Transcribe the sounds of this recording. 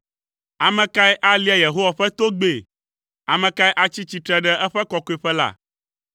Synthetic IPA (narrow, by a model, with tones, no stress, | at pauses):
a˨mɛ̃˨ka˦ɛ˦ʔa˦li˦a˨je˨ɦo˦wa˨ɸɛ˦t̪o˦ɡ͡be˨ | a˨mɛ̃˨ka˦ɛ˦ʔa˦t͡ɕi˦t͡ɕi˦t̪ɾɛ˦ɖɛ˦ʔɛ˦ɸɛ˦kɔ˦ko˨˦ɛ˨ɸɛ˦la̰˦˨